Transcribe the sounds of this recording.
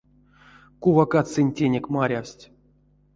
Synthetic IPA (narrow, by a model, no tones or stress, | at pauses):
kuvakat̪sɨnʲtʲenʲekmaɾʲafsʲtʲ